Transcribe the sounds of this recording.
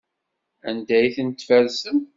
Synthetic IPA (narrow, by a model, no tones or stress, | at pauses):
ænd̪æjθənt̪fælsəm